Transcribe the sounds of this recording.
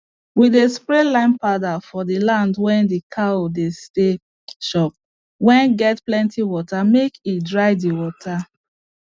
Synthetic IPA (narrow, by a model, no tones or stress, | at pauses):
widespɹɛlãɪ̃npadafɔdilãndwɛ̃ndikʰaodeste | ʃɔp̚ | wɛ̃nɡɛtplɛ̃ntiwɔtamekidɹaɪdiwɔtʰa